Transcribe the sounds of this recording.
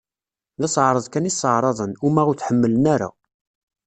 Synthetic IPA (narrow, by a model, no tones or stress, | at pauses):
ðæsəʕɾˤəðˤkænisˤːəʕɾˤɑðˤənʊmæʁʊɾθħəmːələnæɾa̰